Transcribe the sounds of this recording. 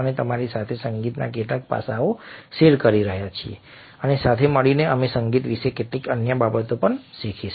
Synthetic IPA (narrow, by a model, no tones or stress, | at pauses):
ənet̪əmaɾisat̪ʰesəŋɡit̪na̰keʈlak̚pa̰saoseɾkəɾiɾəɦjat͡ʃʰiḛ | ənesat̪ʰeməɭineəmesəŋɡit̪ʋiʃekeʈlikənjəbabət̪opəɳʃikʰiʃ